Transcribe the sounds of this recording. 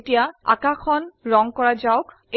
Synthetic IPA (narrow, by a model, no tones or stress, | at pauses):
tijaa̰kakʰɔnɹɔŋkɔɹazaʊk | e